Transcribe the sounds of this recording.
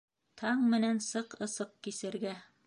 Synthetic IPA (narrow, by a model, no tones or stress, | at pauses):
t̪ʰɑɴmɘ̆nænsɤqɤ̆sɤq̚kisɘ̆ɾɡæ